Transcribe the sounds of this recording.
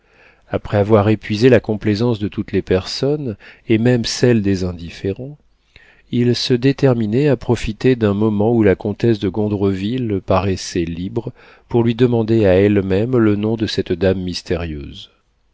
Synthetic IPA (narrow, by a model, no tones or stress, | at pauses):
apχɛavwaʁepɥizelakɔ̃plezɑ̃sd̪ət̪ut̪lepɛʁsɔnemɛmsɛld̪ezɛ̃d̪ifeʁɑ̃ | ilsəd̪et̪ɛʁminɛapχɔfit̪ed̪ɛ̃mɔmɑ̃ulakɔ̃t̪ɛsd̪əɡɔ̃d̪ʁəvilpaʁɛsɛlibʁə | puʁlɥid̪əmɑ̃d̪eaɛlmɛmlənɔ̃d̪əsɛt̪d̪amːist̪eʁjø̰ːz